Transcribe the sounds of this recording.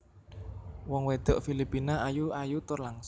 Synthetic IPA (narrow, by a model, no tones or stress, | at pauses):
wɔŋwed̪̥ɔʔfilipinaajuajut̪ʊrlaŋs